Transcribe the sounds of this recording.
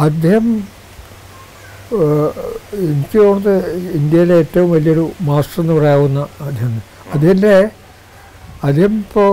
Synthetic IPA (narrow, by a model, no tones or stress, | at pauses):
ɐd̪ʱːeːhɐm | inkʲːioːðɨind̪jɐjileeːtːɐʋumʋɐliɐo̞ɾumaːsʈrenːɨpɐrɐjaːʋunːɐːd̪ʱjehɐnːɨ | ɐd̪ʱehɐnde | ɐd̪ehɐmpo